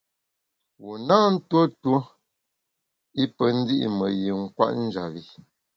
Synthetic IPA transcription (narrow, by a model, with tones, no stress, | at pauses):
wu˨na˦n̩˦two˦to˦ | i˦pə˨n̩˦di˦ʔḭ˨mə˨ji˨ŋ̩˦˨kwa̰˦ʔn̩˦d͡ʒa˨vi˨